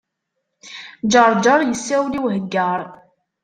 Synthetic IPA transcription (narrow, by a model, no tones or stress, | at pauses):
d͡ʒɑɾˤd͡ʒɑɾˤjəsːæwliwɦəɡːəɾˤ